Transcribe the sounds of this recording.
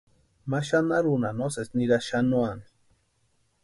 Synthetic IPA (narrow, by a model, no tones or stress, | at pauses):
maʃanaɾunanosesniɾaʃanuani̥